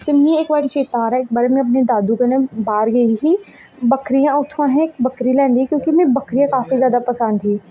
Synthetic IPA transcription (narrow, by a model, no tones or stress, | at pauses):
t̪emĩeːk̚baːɾit͡ʃeːt̪ãːɾɛɪk̚baːɾemẽɐp̬ned̪aːd̪uɡɐnẽbaːɾɡɐiɦiː | bəkɾijãʊt̪ʰãɦɛ̃ɪk̚bəkɾilɛ̃ːnd̪ikjõːkimẽbɐkɾijãːkaːfizjaːd̪apəsə̃nd̪ĩː